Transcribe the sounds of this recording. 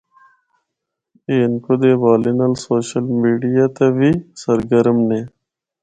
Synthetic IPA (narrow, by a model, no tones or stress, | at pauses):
eːnkod̪eːʋaːlinɐlsoːɕəlmiːɖijat̪aʋisɐɾɡɐɾmneː